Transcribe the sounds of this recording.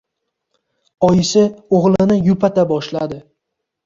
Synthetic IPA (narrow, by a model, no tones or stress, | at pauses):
ɒjɪsɪoʁlˠɪnɪjʊpʰat̪ʰabɒʃlad̪ɪ